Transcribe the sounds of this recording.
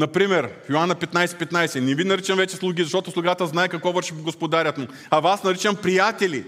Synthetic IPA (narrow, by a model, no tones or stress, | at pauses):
nɐpɾimɛɾfjoanɐpɛt̪najsɛ̥pɛt̪najsɛnɛvinɐɾit͡ʃɐmvɛt͡ʃɛslˠuɡʲizɐʃt̪ɔt̪ʊslˠuɡat̪əznaɛkɐkvɔvəɾʃiɡoɡospod̪aɾʲɐt̪mu | ɐvasnɐɾit͡ʃɐmpɾijat̪ɛlʲi